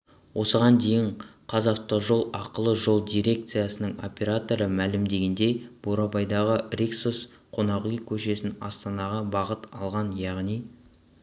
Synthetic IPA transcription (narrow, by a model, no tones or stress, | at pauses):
wʔo̞səʁɑnd̪e̞jɪɴqʰɑzɑft̪oʒo̞lˠɑqəlˠəʒo̞lˠd̪ijɾʲe̞k̚t̪sɨjasənəɴo̞̰pʲe̞ɾat̪o̞ɾəmælɪmd̪e̞ɡʲe̞nd̪e̞b̥oɾɑbɑjd̪ɑʁərʲiksos | qʰo̞nɑʁujkʲʰɵʃe̞sɪnɑst̪ɑnɑʁɑbɑʁət̪ɑlˠʁɑnjɑʁnij